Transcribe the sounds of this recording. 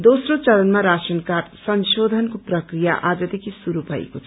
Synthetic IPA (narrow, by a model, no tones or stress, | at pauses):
d̪osrot͡sʌlʌnmaɾasʌnkarsʌnsod̪ʱʌnkoprʌkrijaʔad͡zʌd̪ekʰisuɾubʱʌḛkot͡sʰ